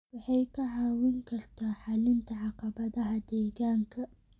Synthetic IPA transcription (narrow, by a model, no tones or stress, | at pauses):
wɑħɑjkʰɐʕɑːwɪŋkʰɐrt̪ʰaːħɑlɪnt̪ʰɐʕɑqɑbɐðɐɦɐd̪ɛːɣaːŋkʰɐ